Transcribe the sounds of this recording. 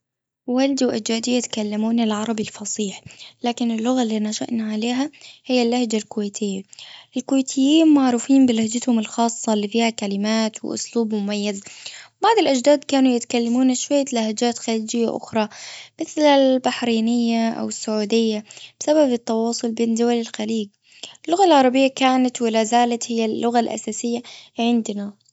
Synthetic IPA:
wald̪wʔad͡ʒd̪aːd̪ijɪt̪kalːamuːnɪlʕɑɾˤɑbilfɑsˤiːħlaːkɪnɪlːʊɣalːiːnaʃa̰ʔnaʕaleːɦahɪjːalːahd͡ʒalkʊweːt̪ʰɪjːaʔɪlkʊweːt̪ʰɪjːiːnmaʕɾˤuːfiːmbɪlahd͡ʒat̪hʊmɪlxɑːsˤːɑlːiːfiːhakalɪmaːt̪wɪ̰ʔʊ̰sluːbmʊmajːazbaʕd̪ɪlʔad͡ʒd̪aːd̪kaːnujɪt̪kalːamuːnaʃwajːalahad͡ʒaːt̪xaliːd͡ʒɪjːa̰ʔʊ̰xɾˤɑmɪθlalbaħɾiːnɪjːaʔa̰wɪsːʊʕuːd̪ɪjːab̥ɪsababɪt̪ːɑwɑːsˤʊlbeːnd̪ʊwalɪlxaliːɡ | lːʊɣalʕɑɾˤɑbɪjːakaːnat̪wɪlazaːlat̪hɪjːalːʊɣalʔa̰saːsɪjːaʕɪnd̪na

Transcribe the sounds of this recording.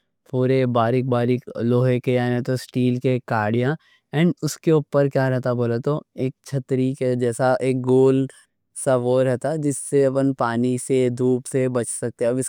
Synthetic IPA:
puːɾebaːɾɪk̚baːɾɪkloːɦekeaet̪osʈiːlkekaːɾɽijã | ɛ̃ːɳɖʊskeuːpəɾkjaːɾɛɦt̪aboːlat̪oeːk̚t͡ʃʰɐt̪ɾiked͡ʒɛːsaʔeːk̚ɡoːl | sɐʋoːɾɦɛt̪ad͡ʒɪsːeɐpənpaːnised̪ʱuːpsebɐt͡ʃsɐk̚t̪eɦɛ̃ɐbɪs

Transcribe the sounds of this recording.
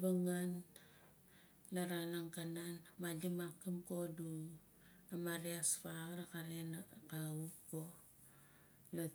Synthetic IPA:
baŋan | laɾanaŋkananmalimakːimkodu | amaɾiaspaɾakaɾenakaupko | la

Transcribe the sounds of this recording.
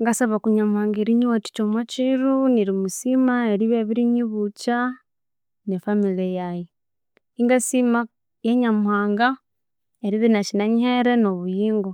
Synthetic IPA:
ŋɡasaβakuɲamuhaːŋɡeɾiɲiwati̥t͡ʃomwat͡ʃiɾuniɾimusimaeɾiβeβiɾiɲiβut͡ʃa | nefamiliejaji | iŋɡasima | jeɲamuhaːŋɡa | eɾiðinat͡ʃinaɲiheɾenoβujiːŋɡo

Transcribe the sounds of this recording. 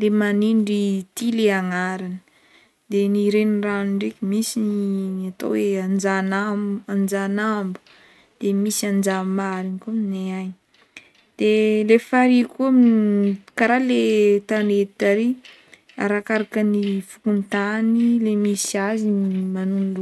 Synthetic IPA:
lemaniɳɖ͡ʐit̪ileaŋaɾanə̥ | d̪̥eniɾenranuɳɖ͡ʐekʲimisinat̪o̰weand͡ʒanaand͡ʒanambu̥ | d̪̥emisand͡ʒamaɾinikumineaj | d̪̥elefaɾikuamnikaɾalet̪anet̪aɾi | a̰ɾakaɾakənifu̥kunt̪anilemisiazinimanunl

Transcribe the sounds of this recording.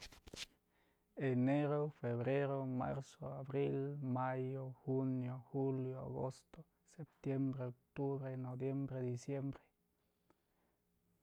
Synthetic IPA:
eneɾofeβɾeɾoma̰ɾsoaβɾilmajoxunjoxuljoa̰ɣost̪o | sep̚t̪jembɾeok̚t̪uβɾenobjembɾed̪isjembɾe̥

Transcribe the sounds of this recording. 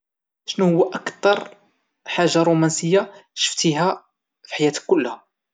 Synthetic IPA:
ʃnuhʊwːæʔækt̪ˤɑɾˤ | ħaʒːaɾˤumænsəjːaʃə̥ft̪iɦæ | fi̥ħajæt̪əkːʊlːhæ

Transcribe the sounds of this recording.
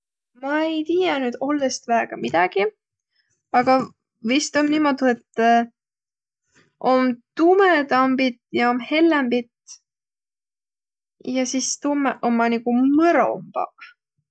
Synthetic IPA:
mɑejt̪iːjɑnyːd̪o̞lːest̪væeɡ̥ɑmid̪̥ɑɡ̥i | ɑɡ̥ɑ | vist̪onniːmo̞d̪̥ie̞t̪ː | ʔomt̪umet̪ɑmbit̪ˑjɑomhe̞lːembit̪ | jɑsist̪umːeʔo̞mːɑnikumɤɾo̰mb̥ɑ̰

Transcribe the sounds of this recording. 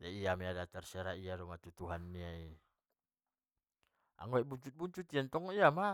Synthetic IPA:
jaijamɛadat̪ɛrsɛɾaiaɾomat̪ut̪uɦanːiai | a̰ŋɡoɛbuɲt͡ʃut̪̚buɲt͡ʃut̪iant̪ɔŋiama

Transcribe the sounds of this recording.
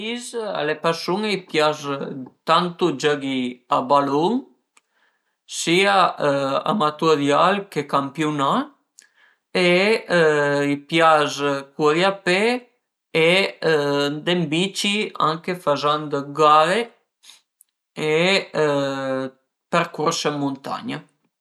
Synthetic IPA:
iza̰lepaɾsuŋeipjazt̪ant̪ud͡ʒaɡiabaluŋ | siaa̰mat̪uad̪jalkekampjuna | e | ipjazkuðjape | e | nd̪embit͡ʃia̰ŋkefazand̪ɡale | e | peɾkuɾsəmunt̪a̰ɲa

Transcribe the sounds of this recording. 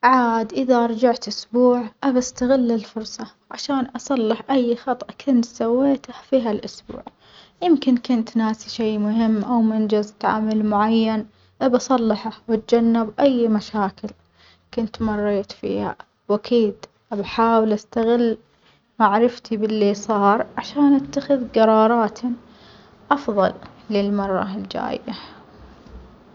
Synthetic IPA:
ʕaːd̪ʔɪðaʔɑɾˤd͡ʒaʕt̪ʔʊsbuːʕʔabast̪aɣɪlːɪlfʊɾˤsˤɑ | ʕaʃaːnʔɑsˤɑlːɪħʔajːxɑt̪ˤʔkʰʊnt̪sawːeːt̪afiːɦalʔʊsbṵːʕ | jɪmkɪnkʊnt̪naːsiʃeːmʊɦɪmːʔawmɪnd͡ʒazt̪ʕa̰malmʊʕajːan | ʔabɑsˤɑlːɪħawɪt̪d͡ʒanːɪbʔajːmaʃaːkɪl | kʊnt̪mɑrˤːeːt̪fḭːha̰ | wʔakʰiːd̪ | ʔabaħaːwɪlʔast̪aɣɪlː | maʕɾɪft̪ibɪlːisˤɑːɾˤʕaʃaːnʔat̪ːaxɪðɡɑɾˤɑːɾˤɑːt̪ʰ | ʔɑfðˤɑl | lɪlmɑrˤːɑ̰ld͡ʒa̰ːjːa

